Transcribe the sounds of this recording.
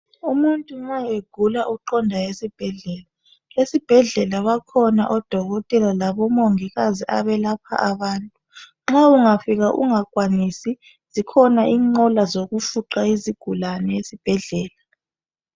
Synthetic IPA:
umuntʼuŋ͡ǁajeɡ̥ʱulaʔuǃɔndʱajesib̥ʱɛɮɛːla | lesib̥ʱɛɮɛlaβakʰɔna̰ʔɔd̥ʱɔɣɔtʼɛlalaβɔmoŋiɣaziʔa̰βɛlapʰa̰ʔaβaːntʼu | ŋ͡ǁauŋafiɣaʔṵŋakʼwanisi | z̥ikʰɔnaʔiːŋ͡ǃɔlazoɣufuǃaiziɡ̥ʱulanɛjesib̥ʱɛɮɛːla

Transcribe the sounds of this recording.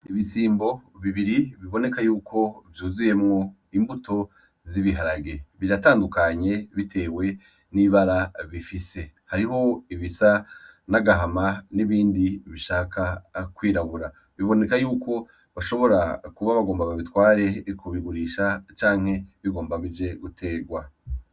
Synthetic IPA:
iβisiːmbo̞βiβiɾiβiβo̞ne̞kajuːkʰo̞vjuːzuje̞mŋo̞ | imbuto̞ | ziβiɦaɾaɡe̞βiɾataːndukaɲe̞βitʰe̞ːwe̞ | niβaɾaβifise̞haɾiɦo̞iβisanaɡaɦamaniβiːndiβiʃaːkakwiːɾaβuɾa | βiβo̞ne̞kajuːko̞ | βaʃo̞βo̞ɾakuβaβaɡo̞ːmbaβaβitwaːɾe̞kuβiɡuɾiːʃat͡ʃaːŋ̥he̞βiɡo̞ːmbaβid͡ʒe̞ɡutʰe̞ːɡwa

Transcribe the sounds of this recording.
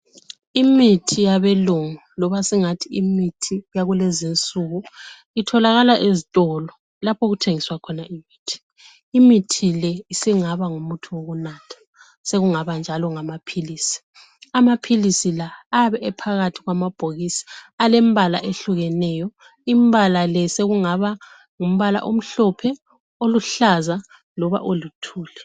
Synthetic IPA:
imitʰijaβeluŋulɔβasiŋatʰiimitʰijaɣulɛzint͡sʼuɣu | itʰɔlaɣalaʔezitʼɔlɔ | lapʰoɣutʰeŋiswakʰɔnaimiːtʰi̥ | imitʰilɛisiŋaβaŋumutʰuwoɣunatʰḁ | seɣuŋaβand͡ʒʱalɔŋamapʰiliːsi̥ | amapʰilisilaːβɛɛpʰaɣatʰiɣwamab̥ʱoɣisi̥alɛmbʱalaʔeɬuɣɛnɛjɔ | imbʱalalɛseɣuŋaβa | ŋum̩βala̰ʔom̩ɬɔpʰɛ | oluɬaza | lɔβa̰ʔolitʰuːlɛ

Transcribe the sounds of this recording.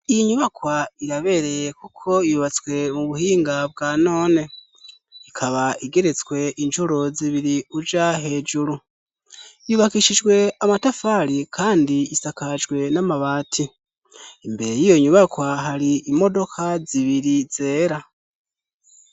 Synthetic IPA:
iiɲuβakwaiɾaβe̞ɾe̞jekukʰo̞ijuβat͡swe̞muβuhiːŋɡab̚ɡaːno̞ːne̞ | ikʰaβaiɡe̞ɾe̞t͡swe̞ʔint͡ʃuɾoziβiɾiud͡ʒaɦe̞ːd͡ʒuɾu | juβakiʃid͡ʒɡwe̞amatafaɾikʰaːndiisakad͡ʒɡwe̞namaβaːtʰi | imbe̞ɾe̞jijo̞ɲuβakwaɦaɾiimo̞do̞kʰaziβiɾiz̥e̞ːɾa

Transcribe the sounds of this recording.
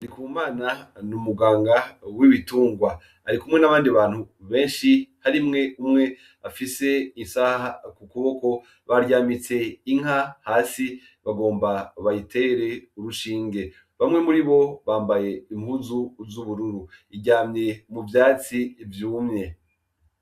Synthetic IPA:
dikuumaːnanumuɡaːŋɡawiβituːŋɡwaː | ɾikumŋe̞naβaːndiβaːnhuβe̞ːnʃihaɾimŋeumŋe̞ | afise̞insahahakukuβo̞ko̞ | βaɾjamit͡se̞iŋ̥hahaːsi | βaɡo̞ːmbaβajitʰe̞ɾe̞uɾuʃiːŋɡe̞ | βamŋe̞muɾiβo̞βaːmbaje̞imhuzuzuβuɾuɾuiɟaːmɲe̞muvjaːt͡siːvjuːmɲe̞

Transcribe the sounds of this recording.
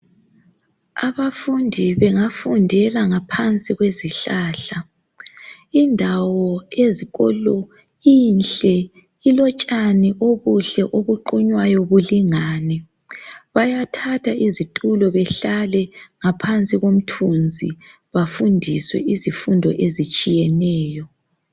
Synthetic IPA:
aβafundʱiβɛŋafundʱɛlaŋapʰant͡sʼiɣweziɬaːɬa | indʱawɔeziɣɔ̰lɔ | inɬɛ | ilɔt͡ʃʼaniʔoβuɬɛʔoβuǃuɲwajɔβuliŋaːnɛ | βajatʰatʰaizitʼulɔβɛɬalɛŋapʰant͡sʼiɣom̩tʰund͡zʱḭ | βafundʱiswɛ̰ʔizifundʱɔ̰ʔezit͡ʃʼijɛnɛːjɔ

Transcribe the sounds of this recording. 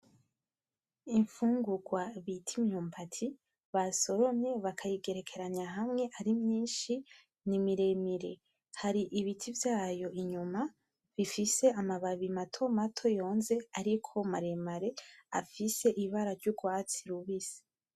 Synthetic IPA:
iɱfuːŋɡuɡwaβitʰimɲuːmpatʰi | βaso̞ɾo̞mɲe̞βakʰajiɡe̞ɾe̞kʰe̞ɾaɲaɦamŋe̞ʔaɾimɲiːnʃi | nimiɾe̞miɾe̞ | haɾiʔiβitʰivjaːjo̞ʔiɲuma | βifise̞amaβaβimatʰo̞matʰo̞jo̞ːnze̞aɾikʰo̞maɾemaɾe̞a̰fise̞ʔiβaɾaɾɟuɡwaːt͡siɾuβise̥

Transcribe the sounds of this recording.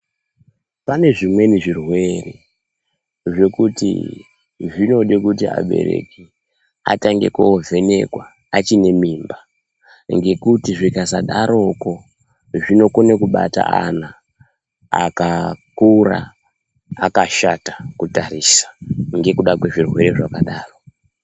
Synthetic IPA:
pane̞ʐimwe̞niʐirwe̞re | ʐe̞kutḭ | ʐino̞ɗekutia̰ɓe̞̰ɾe̞̰ki | a̰taŋɡe̞̰koovʱe̞ne̞̰kwaː | t͡ʃine̞miːmba | ŋɡe̞kutiʐikazaɗaɾo̞ko̞ | ʐino̞konekuɓata̰ana | a̰kakura̰ː | kaʃatakutaɾisḁŋɡe̞kuɗakwe̞ʐirwe̞ɾe̞ʐakaɗaːro

